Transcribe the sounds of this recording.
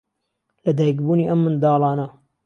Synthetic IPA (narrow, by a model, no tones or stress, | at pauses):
lɐd̪aːjkbuːniːʔɐmːɨnd̪ɑːlˠɑːnɐ